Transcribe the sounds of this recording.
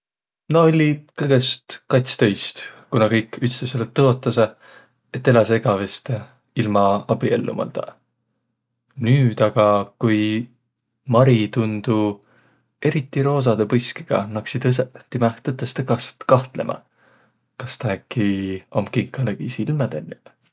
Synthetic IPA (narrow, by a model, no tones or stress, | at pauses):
noo̞lʲikɤɡest̪kɑjt̪ʲst̪ɤjst̪kunɑkɤjkːˑyt̪st̪eselːet̪ːɤo̞t̪ːˑɑse | et̪ːe̞lɑseɡ̥ɑvest̪e | ilmɑɑb̥iḛlːṵmɑ̰lt̪ɑ̰ | nyːd̪̥ɑɡ̥ɑkuj | mɑɾit̪und̪̥u | e̞ɾit̪ːˑiɾo̞ːs̬ɑd̪epɤjski̥ɡ̥ɑ̰nɑksid̪ɯset̪imɑht̪ɤt̪ːˑɑst̪ekɑst̪kɑht̪le̞̰mʔɑ̰ | kɑst̪ɑækˑːiomkiŋkːˑɑlekisilmɑd̪̥enʲːi